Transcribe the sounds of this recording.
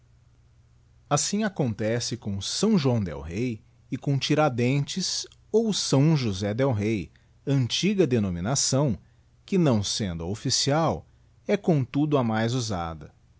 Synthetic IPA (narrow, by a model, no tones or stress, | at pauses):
asĩakõnt̪ɛsɪkõsɐ̃w̃ʒwɐ̃w̃d̪ɛ̰wɦej | ɪkõt͡ʃiɾad̪ẽnt͡ʃɪs | owsɐ̃w̃ʒuzɛd̪ɛwɦej | ɐ̃nt͡ʃiɡɐd̪enominasɐ̃w̃ | kɪnɐ̃w̃sẽnd̪ʊofisiaw | ɛkõt̪ud̪ʊɐmajzuza̰d̪ɐ